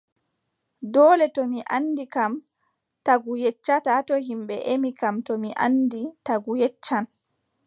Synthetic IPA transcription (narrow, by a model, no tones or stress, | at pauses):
dɔːlɛtɔmiʔanːdikam | taɡujɛt͡ʃːatatɔhimɓɛʔemikamtɔmiʔa̰nditaɡujɛt͡ʃːan